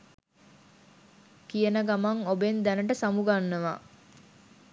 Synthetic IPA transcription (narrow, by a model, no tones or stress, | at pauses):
kijənəɡamaŋobend̪ænəʈəsamuɡanːəʋa̰